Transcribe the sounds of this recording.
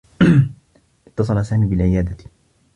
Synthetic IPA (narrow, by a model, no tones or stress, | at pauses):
ʔɪt̪ːɑs̬ˤɑlasaːmiːbɪlʕɪjaːd̪a